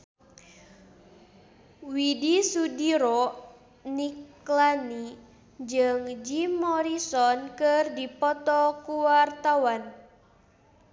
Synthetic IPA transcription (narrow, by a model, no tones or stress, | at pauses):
widisudiɾɔ | nik | lani | d͡ʒɨŋd͡ʒimɔɾisɔnkɨrdipɔt̪ɔkuwart̪awan